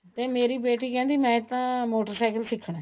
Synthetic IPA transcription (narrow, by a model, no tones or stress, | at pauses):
t̪eːmeːɾiːbeːʈ̬iːkɛ̃ːnd̪iːmɛ̃ːɪt̪ːãːmoːʈəɾsaːɪkəlsɪkʰːɽɛ̃ː